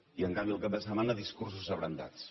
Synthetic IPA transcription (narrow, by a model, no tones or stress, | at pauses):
iəŋkambiəlˠkap̚d̪əsəmanəðiskurs̬uzəβɾənd̪a̰t͡s